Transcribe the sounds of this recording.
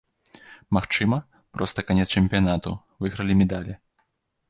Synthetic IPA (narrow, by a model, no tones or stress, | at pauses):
maxt͡ʂɨmɐ | pɾɔst̪ɐkanʲɛt̪st͡ʂɛmʲpʲijanat̪u | vɨɣɾɐlʲimʲɛd̪alʲi